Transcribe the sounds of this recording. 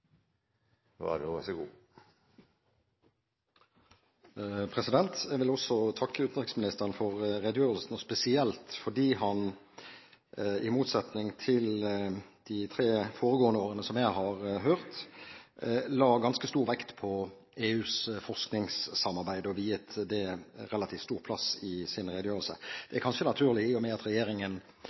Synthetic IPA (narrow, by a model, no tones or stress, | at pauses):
ʋɑ̰dɛɑsɡuː | pʰʁɛsɪd̪ɛnt̪ɛɡʋɪlɔsɔt̪ʰɑkʰːəʉːt̪nʁɪksmɪnɪst̪əʁənfɔʁʁed̪jøːʁəlsn̩ɔspɛsɪɛlt̪fɔɖ̪iːhɑn | ɪmuːt̪sɛt̪nɪŋt̪ʰɪld̪̥ɪt̪ʰɾeːfoːɾəɡoːənəoːʁənəsɔmjæɪɦɑʁɦøːʁt̪ | lɑːɡɑnskəst̪uːɾʋɛkt̪pʰɔ | eːʉːsfɔʁsknɪŋsːɑmːɑʁbæɪd̪əɔʋiːjət̪d̪ɛɾɛlɑt̪ʰiːftst̪uːʁpʰlɑsɪsɪnɾɛːd̪jøːʁəlsə̰d̪̥ɛækʰɑnʃənɑt̪ʰʉːʁlɪɪomɛɑt̪ɾɛjeːɾɪŋən